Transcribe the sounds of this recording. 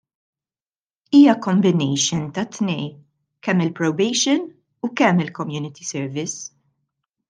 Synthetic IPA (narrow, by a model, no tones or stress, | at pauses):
iːjɐkɔmbɪnɛjʃɪnt̪ɐt̪ːnɛj | kɛmːɪlpɾɔwbɛjʃɪn | ukɛmːɪlkɔmjuːnɪt̪ʰisɛɾvɪs